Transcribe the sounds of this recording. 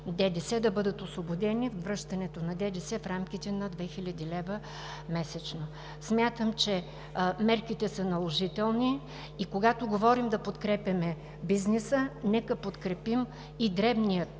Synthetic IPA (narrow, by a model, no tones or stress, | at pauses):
d̪ɛd̪ɛsɛd̪ɐbɤd̪ət̪osvobod̪ɛnifvːɾɤʃt̪ɐnɛt̪onɐd̪ɛd̪ɛsɛfɾamkit̪ɛnɐd̪vɛxilʲəd̪ilɛvə | mɛsɛt͡ʃno | smʲjat̪əmt͡ʃɛ | mɛɾkit̪ɛsənɐlˠoʒit̪ɛlˠniː | koɡat̪oɡovɔɾimd̪ɐpot̪kɾɛpʲɐmɛ | biznɛsənɛkəpot̪kɾɛpim | id̪ɾɛbnijə